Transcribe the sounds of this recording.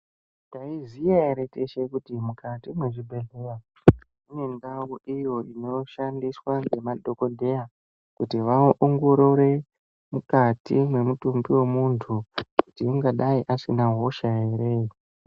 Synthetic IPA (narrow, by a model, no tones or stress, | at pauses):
taizijaeɾe̞teʃekutimukatimweʐibʱe̞ɮera | une̞ndawuʔijo̞ʔino̞ʃandiswaŋɡe̞mado̞ko̞dʱe̞ja | kutiʋaʔoŋɡo̞ɾo̞ɾe̞ | mukatimwe̞mutumbiwe̞muntʰukutiuŋɡaɗaiʔasinaɦo̞ʃae̞ɾe